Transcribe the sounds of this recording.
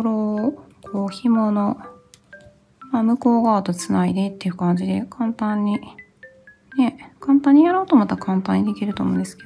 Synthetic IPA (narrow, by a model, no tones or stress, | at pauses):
ɾokʰoːçimo̞no̞ | maːmɯ̟ko̞ːɡaːt̪o̞t͡sɨnaid̪e̞t̪ːe̞jɯ̟kãɲ̟d͡ʑid̪e̞kʰãnt̪ãɲ̟ːi | ne̞kãnt̪ãɲ̟ːijaɾo̞ːt̪o̞mat̪akãnt̪ãɲ̟ːid̪e̞kʲiɾɯt̪o̞ːmõːnd̪e̞sɨ̥ked̪o